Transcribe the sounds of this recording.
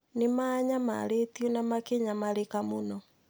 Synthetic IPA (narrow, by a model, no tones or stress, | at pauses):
nɪmaɲama̰ɾetjɔnamakeɲamaɾekamonɔ